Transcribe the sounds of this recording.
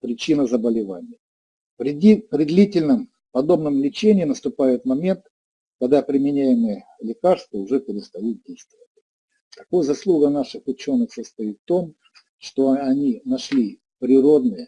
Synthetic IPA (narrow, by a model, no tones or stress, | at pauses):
pɾʲɪt͡ɕinəzəbəlʲɪvanʲɪjə | pɾʲɪipɾʲɪd̪lʲitʲɪlʲnəm | pɐd̪o̞bnəmlʲɪt͡ɕenʲɪːnəst̪ʊpajɪt̪mɐmʲe̞nt̪ | kɐɡ̚d̪apɾʲɪmʲɪnʲæjɪməjəlʲɪkarst̪vəʊʐɛpʲɪɾʲɪst̪ɐjit̪̚dʲejst̪vəvət̚ʲ | t̪ɐkojəzɐslˠuɡənaʂɨxʊt͡ɕo̞nːɨxsəst̪ɐjit̪ːo̞m | ʂt̪o̞ɐnʲinɐʂlʲi | pɾʲɪɾo̞d̪nɨjə